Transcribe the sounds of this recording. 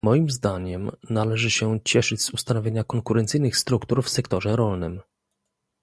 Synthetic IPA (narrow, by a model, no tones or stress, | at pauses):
mɔjimzd̪aɲɛmnalɛʐɘɕɛt͡ɕɛʂɘd͡ʑz̥ust̪anɔvʲeɲakɔŋkuɾɛnt̪sɘjnɘxst̪ɾukt̪uɾfsɛkt̪ɔʐɛɾɔlnɘm